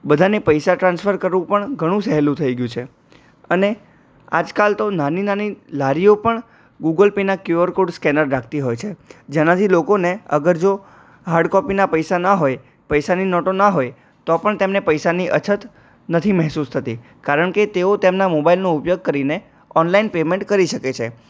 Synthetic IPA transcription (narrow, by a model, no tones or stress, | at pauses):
bəd̪ʱanepəjsaʈɾãnsfʰəɾkəɾʋũpəɳɡʱəɽ̃ũsɛɦlũt̪ʰəiɡjũt͡ʃʰe | əne | ad͡ʒkalt̪onaninanilaɾiopəɳ | ɡuɡəlpenakjuʋəɾkoɖskɛnəɾːakʰt̪iɦojt͡ʃʰed͡ʒenãt̪ʰilokoneəɡəɾd͡ʒo | ɦaɾɖkɔpinapəjsanaɦoj | pəjsaninɔʈonaɦoj | t̪ɔpəɳt̪emnepəjsaniʔət͡ʃʰət̪ | nət̪ʰimɛɦsust̪ʰət̪i | kaɾəɳket̪eot̪emnamobailnoupjoɡ̚kəɾine | ɔnlainpemẽɳʈkəɾiʃəket͡ʃʰe